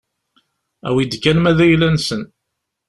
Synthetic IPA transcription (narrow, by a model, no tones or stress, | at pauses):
æ̰wid̪kːænmæðæjlːænsən